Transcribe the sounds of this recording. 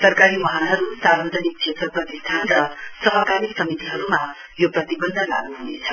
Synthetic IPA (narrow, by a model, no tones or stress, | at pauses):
sʌrkaɾimʌɦanɦʌɾusaɾbʌd͡zʱʌnik̚t͡sʰet̪rʌprʌt̪ist̪ʰanrʌsʌɦʌkaɾiksʌmit̪iɦʌɾuma | joprʌt̪ibʌnd̪ʱʌnla̰ɡuɦunḛt͡sʰʌ̥